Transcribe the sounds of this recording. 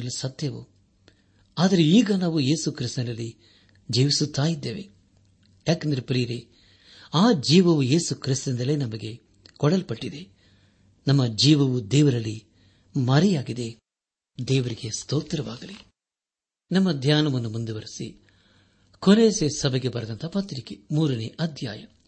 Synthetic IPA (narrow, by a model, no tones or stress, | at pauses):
ɐlːisɐt̪jɐʋṵ | aːd̪ɐɾeiːɡɐnaːʋuje̞ːsukɾist̪ɐnɐlːi | d͡ʒeːʋisut̪ːaːjid̪ːeːʋe̞ | jaːkend̪ɐɾepɾijɾi | aːd͡ʒiːʋɐʋuje̞ːsukɾist̪ɐnd̪ɐleːnɐmɐɡe̞ | kɔɽɐlpɐʈːid̪e̞ | nɐmːɐd͡ʒiːʋɐʋud̪ɛːʋɐɾɐlːi | mɐɾijaːɡid̪e̞ | d̪ɛːʋɐɾiɡe̞st̪oːt̪ɾɐʋaːɡɐli | nɐmːɐd̪ʱjaːnɐʋɐnːumund̪uʋɐɾisi | koleːsesɐbeɡe̞bɐɾɐd̪ɐnt̪ʰɐpɐt̪ːɾikemuːɾɐneʔɐd̪ʱja̰ːjɐ